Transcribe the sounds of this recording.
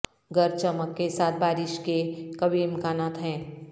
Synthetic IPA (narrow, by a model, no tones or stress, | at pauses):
ɡəɾt͡ʃəməkːesaːt̪̚ʰbaːɾɪʃkekɐbimkaːnaːt̪ɦɛ̃ː